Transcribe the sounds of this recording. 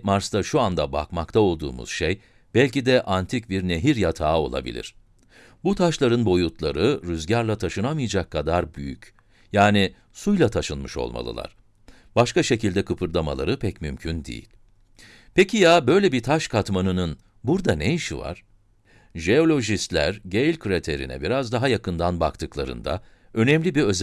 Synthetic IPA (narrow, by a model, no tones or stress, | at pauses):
maɾst̪aʃuand̪aba̰kmakt̪ʰao̞lˠd̪ṵːmṵz̥ʃej | b̥ɛlʲcid̪ɛʔant̪ʰic̚biɾne̞ɦiɾjat̪ʰaːo̞̰lˠa̰bḭlʲḭɾ̥ | but̪ʰaʃlˠaɾɯnbo̞jut̪ʰlˠaɾɯɾyzɟaɾlˠat̪ʰaʃɯnamɯjad͡ʒakʰːad̪aɾbyjyc | jaːni | sujlˠat̪ʰaʃɯnmɯʃo̞̰lˠma̰lˠɯ̰lˠa̰ɾ̥ | b̥aʃkaʃe̞cilʲd̪ɛkʰɯpʰɯɾd̪ˠama̰lˠa̰ɾɯpʰɛcmy̰mcʰynd̪ḛjḭlʲ | pʰecʰijaːbø̞jlʲɛbit̪ʰaʃkʰat̪manɯnɯn | buɾd̪anejiʃiva̰ɾ̥ | ʒe̞o̞lʲo̞ʒist̪lʲæ̰ɾɟejlʲkʰɾet̪ʰe̞ɾḭnɛ̰biɾazd̪aɦajakɯnd̪anba̰kt̪ʰɯklˠa̰ɾɯ̰nd̪a̰ | ø̞nɛmlʲibiø̞z